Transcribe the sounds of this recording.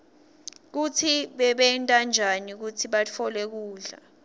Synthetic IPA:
k̬ut͡sʰiɓɛɓɛntʼand͡ʒʱanik̬ut͡sʰiɓat͡fʰɔlɛk̬uːɮa̰

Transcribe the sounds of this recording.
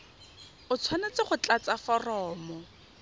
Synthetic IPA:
ʊt͡sʰwanet͡sɪχʊt͡ɬʼat͡safɔrɔːmɔ

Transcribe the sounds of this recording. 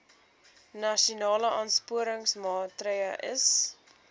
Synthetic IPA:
nɐʃunɑːləʔɑːnspuəɾəŋsmɑːtrəjəʔəs

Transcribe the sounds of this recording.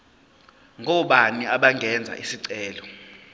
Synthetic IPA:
ŋʱɔɓaniaɓaŋɡʱɛnd͡zʱa̰ʔisiǀɛːlɔ

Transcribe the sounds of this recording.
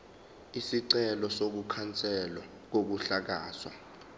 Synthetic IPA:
isiǀɛlɔsok̬ukʰant͡sʼɛla | k̬ok̬uɬak̬a̰ːswa̰

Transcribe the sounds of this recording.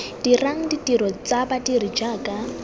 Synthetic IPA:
d̥iraŋ̩ditʼiɾɔt͡sabadiɾid͡ʒaːkʼa

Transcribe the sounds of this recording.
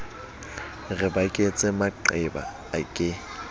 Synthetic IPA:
rɪbakʼet͡sʼɪmaǃɛba̰ | akʼɪ

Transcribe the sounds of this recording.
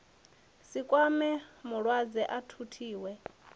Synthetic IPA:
sikʼwamɛmuɺwad͡zɛʔatʰutʰiːwɛ

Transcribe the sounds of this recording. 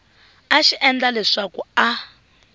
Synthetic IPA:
aʃiʔɛnd͡ɮalɛʂakua

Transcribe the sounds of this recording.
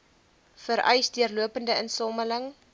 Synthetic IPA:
fəɾʔœ̰jsdyərluəpəndəənsɔmələŋ

